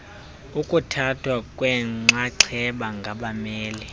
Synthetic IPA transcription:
ukʼutʰatʰwakʼwɛŋ͡ǀaǀʰɛɓaŋɡʱaɓamɛːli

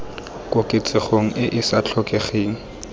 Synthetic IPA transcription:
kʼʊkʼɪt͡sʼɪχoŋ̩ʔɪʔɪsat͡ɬʰɔkʼeχeːŋ̩

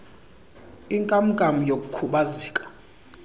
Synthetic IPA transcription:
iŋkʼam̩kʼamujok̬ʼukʰuɓaziːkʼḁ

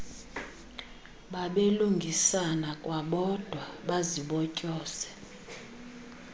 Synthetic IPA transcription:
ɓaɓeluŋɡʱisanakʼwaɓɔd̥ʱwaɓaziɓɔcʼɔːsɛ̥

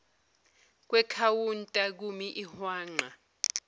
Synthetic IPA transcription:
k̬ʼwɛkʰawuntʼak̬umiʔihwaːŋ͡ǃa

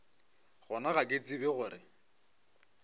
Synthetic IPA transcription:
ɣʊnaɣakʼet͡sʼibɪɣʊɾɪ̰

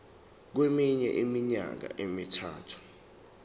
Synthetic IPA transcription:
k̬wemiɲɛʔimiɲa̰k̬a̰ʔemitʰaːtʰu̥

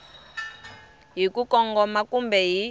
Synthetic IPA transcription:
ɦikʼukɔŋɡɔmakʼumbɛɦi

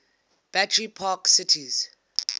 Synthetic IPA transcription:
b̥atʰɹipʰaksɪtʰiz̥

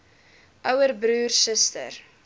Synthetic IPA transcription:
ʔœwərbɾuːrsəstə̰r

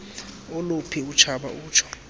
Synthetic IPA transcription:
ɔlopʰiut͡ʃʰaɓa̰uːt͡ʃʰɔ̥

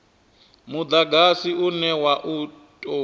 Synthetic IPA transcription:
mud̪aɡasiunɛwaʔutʼo

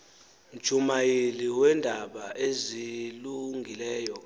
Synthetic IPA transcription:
m̩d̥ʒ̥ʱumajeliwɛndʱaɓaʔeziluŋɡʱilɛːjɔ

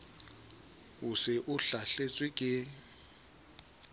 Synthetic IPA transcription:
ʊsɪʔʊɬaɬet͡sʼwɪkʼɪ

